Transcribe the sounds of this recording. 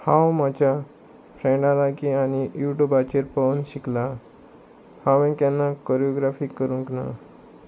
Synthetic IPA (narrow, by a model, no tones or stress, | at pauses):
hãwmat͡ɕja | fɾɛ̃ɳɖãlaɡianijuʈubat͡ɕeɾpəwnɕikla | hãʋɛ̃kãnːakɔɾijɔɡɾafikːəɾũŋkna̰